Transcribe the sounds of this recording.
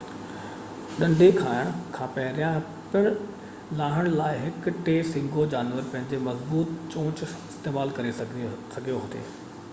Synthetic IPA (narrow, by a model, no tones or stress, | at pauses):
ɗɐ̃ɳɖʱekʰaːɪəɽ̃kʰãːpɐɦɪɾijã | pɪɽ̃ | lãːɦəɽ̃laːɪɦɪkʊʈeːsɪ̃ŋɡod͡ʑaːnʋəɾpɐ̃ɦɪ̃ɲd͡ʑemɐzbuːt̪t͡ɕõːt͡ɕɪst̪eːmaːlkɐɾesɐɡʱijoɦʊt̪ʰḛː